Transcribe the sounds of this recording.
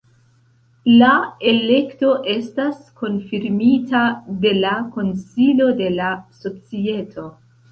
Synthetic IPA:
lae̞le̞kto̞ʔe̞staskʰo̞nfiɾmitade̞lako̞nsilo̞de̞laso̞t͡sie̞tʰo̞

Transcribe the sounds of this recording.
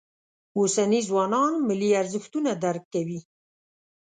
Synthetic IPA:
usanizwɑnɑnmɪliaɾzəxt̪unad̪aɾkkːawi

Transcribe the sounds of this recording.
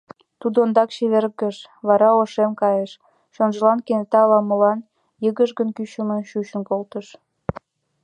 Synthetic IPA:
t̪ud̪ond̪ɑkɕeβerɡəʃβɑɾɑoʃemkɑjeʃ | ʃonʒəlɑnkent̪ɑlɑmə̆lɑn | jəɣəʒɡənkyɕə̆mə̆ʃyɕə̆nkolt̪əʃ

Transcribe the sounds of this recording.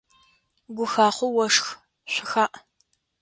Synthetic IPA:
ɡʷʊxaːχʷʊwɔʂx | ɕʷɪxaːʔ

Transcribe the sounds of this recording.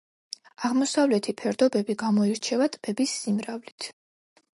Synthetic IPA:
aʁmɔsavlɛt̪ʰipʰɛɾd̪ɔbɛbiɡamɔiɾt͡ʃʰɛvat̪ʼb̥ɛbisːimɾavlit̪ʰ

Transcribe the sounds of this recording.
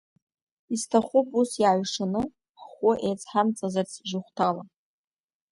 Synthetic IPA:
istʰaχʷupʼusjaʕʷʂanɨ | χʷʊʔejt͡sʰħamt͡sʼazart͡sʰʒʊχʷtʰala

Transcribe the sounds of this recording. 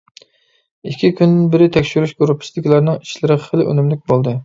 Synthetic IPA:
ikʲʰːikʲʰynd̪ɪnbɪɾɪt̪ʰɛkʲʃyɾyʃɡuɾupʰːɪ̥sɪd̪ɪkʲlæɾnɨŋiʃlɪɾɪχəlɪʔø̰nɪmlɪkʲbolˠd̪ɨ

